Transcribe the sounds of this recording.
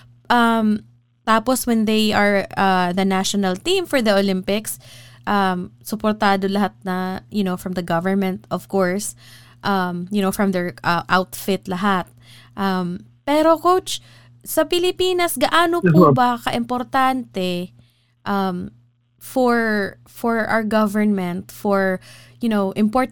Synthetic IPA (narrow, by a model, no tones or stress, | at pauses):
ʔɐm | t̪aːpɔswɛnd̪ejʔɐɹɐðɐnaʃɔnɐlt̪ĩmfɔɹd̪ɐʔolɪmpɪksʔɐmsʊpɔɾt̪aːd̪olɐɦat̪̚nɐjʊnowfɹɐmd̪ɐɡɐvɛɹmɛ̃nt̪ʔɔv̥kɔɹs | ʔɐmjʊnowfɹɐ̃md̪ɛɹʔɐʔawt̪fɪt̪lɐɦat̪̚ | ʔɐm | pɛːɾokowt͡ʃ | sɐpɪlɪpiːnɐsɡɐʔaːnopbɐkɐʔɪmpɔɾt̪ant̪ɛ | ʔɐm | fɔɹ | fɔɹʔa̰wɹɡɐvəɹnmɛ̃nt̪fɔɹjʊnowʔɪmpɔɹt̪